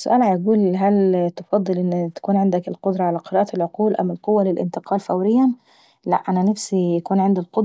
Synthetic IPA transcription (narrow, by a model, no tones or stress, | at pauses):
sːʊ̰ʔæːlʕajɡuːlɦælt̪ofɑd̪ˤːɨlʔenːt̪æ̥kuːnʕend̪ækelqod̪ɾˤɑʕalæqeɾɑːʔælʕoquːlʔæ̰mɪlqowːælelʔɪ̰nt̪eqɑːlfæwɾɪjːæn | læʔʔænænæfsijækuːnʕend̪ilqod̪